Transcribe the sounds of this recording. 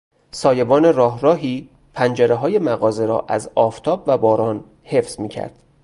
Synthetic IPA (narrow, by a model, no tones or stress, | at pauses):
sɒːje̞bɒːne̞rɒːɦɾɒːɦiː | pʰænd͡ʒeɾeɦɒːje̞mæɣɒːze̞ɾɒ̰ːʔæzɒːft̪ʰɒːbvæbɒːɾɒːn | he̞fz̥miːcʰæ̰ɾd̪̥